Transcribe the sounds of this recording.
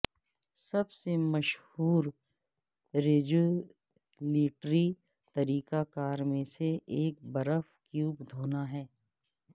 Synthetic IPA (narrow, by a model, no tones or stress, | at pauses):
sɐbsemɐʃhuːɾ | ɾeːd͡ʒu | liːʈɾi | t̪ɐɾiːkakaːɾmẽseeːk̚bɐɾəfkjuːbd̪ʱoːnaɦɛː